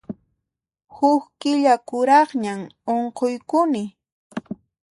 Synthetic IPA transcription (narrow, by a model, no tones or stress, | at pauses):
hʊkkɪʎakʊɾɑχɲamoɴqojkʊnɪ